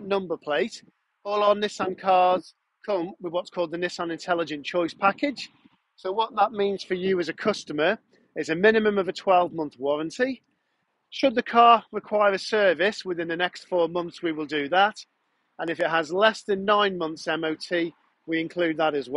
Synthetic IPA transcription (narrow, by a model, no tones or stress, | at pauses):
nʌ̃mbəpʰl̥eɪt | ɔːlˠənːɪsə̃nkʰɑːz̥ | kʰʊ̃mwɪðwɒtskʰɔːlˠd̪ðənɪsãnɪ̃ntʰɛlɪd͡ʒɨ̃nt͡ʃʰɔɪspʰakɪd̥ʒ̥ | soʊwɒʔ̪ðəʔmĩːnz̥fəjɨɪzəkʰʊstəmə˞ | ɪzəmɪ̃nɪmə̃məvətʰw̥ɛlˠvmʌ̃nθwɒɹə̃ntʰi | ʃəd̪̚ðəkʰɑːɹɪkʰw̥aɪəɹəsɜːvɪswɪðɪ̃nðənɛkstfɔːmʌ̃nθswiwɪlˠdɨðət | ə̃nɪfɪt̚ɦəzlɛsðə̃nːãɪ̃nmʌ̃nθsɛ̃moʊtʰiː | wiɪ̃nkʰl̥ʉːd̪̚ðəɾəzw